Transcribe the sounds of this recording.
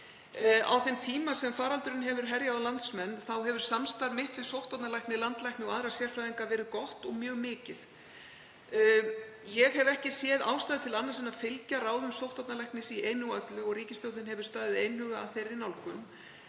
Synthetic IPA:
a̰wθɛnt̪ʰiːmasɛmfaːɾalt̪ʏɾɪnɦɛvʏɾ̥ɦɛɾjaðalant̪smɛnːθawɦɛvʏɾ̥samst̪aɾmɪht̪vɪðsowht̪at̪nalajhknɪlant̪lajknɪɔɣaðɾasjɛrfɾaðiŋkavɛːɾɪðkɔht̪ɔɣmjœːɣmɪːcɪð | jɛɣhɛvɛhcɪsjɛːða̰ːwst̪ajðɪt̪ʰɪlanːasɛnafɪlcaɾaːwðʏmsowht̪at̪nalajhknɪsiʔeːjnuat̪lʏɔɣriːcɪst̪owt̪ɪnɦɛvʏ̥ɾst̪aːðɪðejnhʏɣaa̰ðθejrːɪnawlkʏm

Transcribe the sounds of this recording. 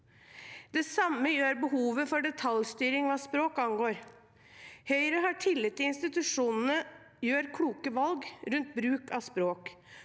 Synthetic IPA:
d̪̥ɛsɑmːəjøːɾbəhuːʋəfɔɖɛt̪ʰɑljst̪yːɾɪŋʋɑːspɾoːkɑnɡoːɾ | hœʏɾəɦɑʈʰɪlːɪt̪ːɪɪnst̪ɪt̪ʉʂuːnən̩ə | jøːɾkʰɽuːkəʋɑlɡɾʉnt̪̚bɾʉːkɑspɾoːk

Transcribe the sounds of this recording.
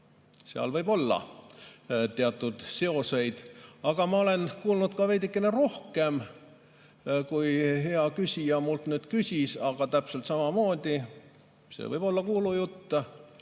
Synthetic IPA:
seɑ̰lvɤjbo̞lːɑ̰ | t̪e̞ɑt̪ːˑud̪̥se̞o̞se̞jd̪̥ɑɡ̥ɑmɑo̞le̞nkuːlnud̪̥kɑvejd̪ikːˑenero̞hke̞m | kujɦe̞ɑkysʲijɑmult̪nyːt̪kysʲisɑɡ̥ɑt̪æpselt̪sɑmɑmo̞ːd̪̥ʲi | sḛvɤjb̥o̞lːɑkuːlujut̪ːɑ

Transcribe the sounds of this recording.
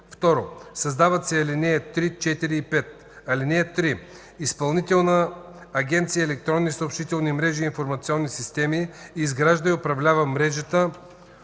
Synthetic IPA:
ft̪ɔɾosɐzd̪avət̪sɛɐlinɛɛt̪ɾit͡ʃɛt̪iɾiːpɛt̪̚ | ɐlinɛɛt̪ːɾi | ispɐlˠnit̪ɛlˠnəː | ɡʲɛnt̪siəɛlɛk̚t̪ɾɔnːisoːpʃit̪ɛlˠnimɾɛʒiːnfoɾmɐt̪sʲiɔnːisist̪ɛmiːzɡɾaʒd̪əjʊpɾɐvlʲavəmɾɛʒət̪ə

